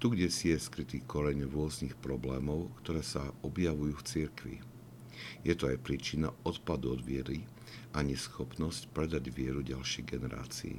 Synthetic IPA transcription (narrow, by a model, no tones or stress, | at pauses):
t̪uɡɟɛsɪɛskɾit̪iːkɔɾɛɲɾʊɔznixpɾɔblɛːmɔʊkt̪ɔɾɛːsaɔbjaʋujuːft͡siɾkʋḭ | jɛt̪ɔajpɾiːt͡ʃinaɔt̪pad̪uɔd̪ʋɪɛɾi | ʔaɲɛsxɔpnɔscpɾɛd̪aɟʋɪɛɾuɟalʃɪɛjɡɛnɛɾa̰ːt͡sḭː